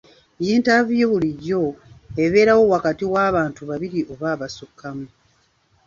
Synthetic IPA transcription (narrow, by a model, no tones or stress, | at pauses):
jiːntavijoβuliɟːo̞e̞βe̞ːɾawo̞wakatiwaːβaːntuβaβiɾiʔo̞βaːβasukːamu